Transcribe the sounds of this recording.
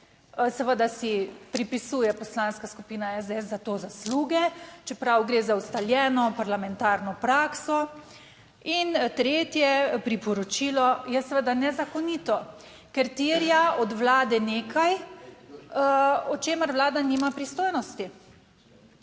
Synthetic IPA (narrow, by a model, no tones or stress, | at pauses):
sɛʋəd̪asipɾipisuːjɛpɔslanskaskupiːnaɛzd̪eɛszat̪oːzasluːɡɛt͡ʃɛpɾawɡɾeːzawst̪aljɛːnɔpaɾlamɛnt̪aːɾnɔpɾaːksɔ | int̪ɾeːt̪jɛpɾipɔɾɔt͡ʃiːlɔjɛsəʋəd̪anɛzakɔnit̪ɔ | kɛɾt̪iɾjaɔd̪ʋlaːd̪ɛneːkaj | ɔt͡ʃeːməɾʋlaːd̪animapɾist̪oːjnɔst̪i